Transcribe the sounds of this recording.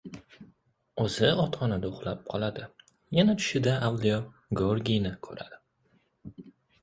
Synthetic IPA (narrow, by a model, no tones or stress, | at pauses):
ɵzɪɒt̪χɒnad̪aʊχlˠap̚qʰɒlˠad̪ɪ | janat̪ʰʊ̥ʃɪd̪aawlijɒ | ɡoɾɡʲijnɪkʰɵ̰ɾa̰d̪̥ɪ